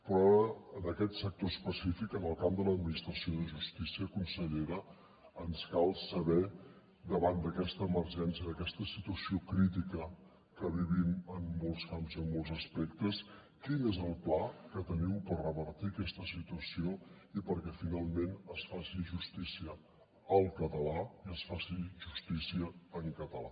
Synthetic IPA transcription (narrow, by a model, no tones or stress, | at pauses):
pɾɔaəənəkɛt̪sək̚t̪ospəsifikənəlˠkamd̪ələd̪minist̪ɾəsioðəʒust̪isiəkunsəʎeɾə | ənskalˠsəβɛ | d̪əβand̪əkɛst̪əːməɾʒɛnsiəðəkɛst̪əsit̪uəsiokɾit̪̬ikə | kəβ̞iβimənːolˠskamzəmːolˠzəspɛk̚t̪əs | kinezəlˠplakət̪əniwpərrəβəɾt̪iəkɛst̪əsit̪uəsioipəɾkɛfinalˠmenəsfasiʒust̪isiə | əlˠkət̪əlaiəsfasiʒust̪isiəːŋkət̪əla